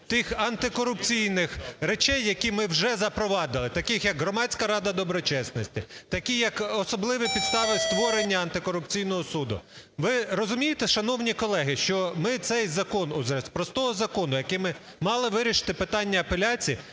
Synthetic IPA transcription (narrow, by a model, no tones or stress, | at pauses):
t̪ɪxɐnt̪ɪkɔɾʊpt͡sʲijnɪxɾet͡ʃɛjːɐkʲimɪwʒɛzɐpɾɔʋɑd̪ɪlˠɪt̪ɐkɪxjɐɡɦɾɔmɑt͡sʲkɐɾɑd̪ɐd̪ɔbɾɔt͡ʃɛsnɔsʲtʲit̪ɐkʲijɐkɔsɔblˠɪʋipʲid̪st̪ɑʋɪst̪ʋɔɾenʲːɐɐnt̪ɪkɔɾʊpt͡sʲijnɔɦɔsud̪ʊ̰ | ʋɪɾɔzʊmʲijet̪ɛʃɐnɔwnʲikɔlˠɛɦɪʃt͡ʃɔmɪt̪sɛjzɐkɔnʊzɛspɾɔst̪ɔɦɔzɐkɔnʊjɐkɪmɪ | mɑlˠɪʋɪɾʲiʃɪ̥t̪ɪpɪt̪ɑnʲːɐːpelʲat͡sʲiː